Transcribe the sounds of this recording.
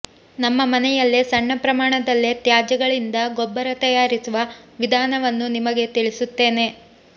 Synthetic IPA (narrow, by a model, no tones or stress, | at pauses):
nɐmːɐmɐnɛjɐlːesɐɳːɐpɾɐmaːɳɐd̪ɐlːet̪jaːd͡ʒɐɡɐɭind̪ɐɡobːɐɾɐt̪ɐjaːɾisuʋɐʋid̪ʱaːnɐʋɐnːunimɐɡe̞t̪iɭisut̪ːe̞ːne̞